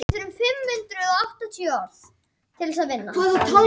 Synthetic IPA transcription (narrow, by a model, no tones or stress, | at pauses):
ʏɾʏmfɪmhʏnt̪ɾʏɔaht̪at̪ʰjœːḁː | t̪ʰɪlsaðvɪnːaaðt̪ʰɔ